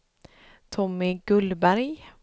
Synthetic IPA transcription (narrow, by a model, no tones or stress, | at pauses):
t̪ʰɔmɪɡʉlbæɾɡ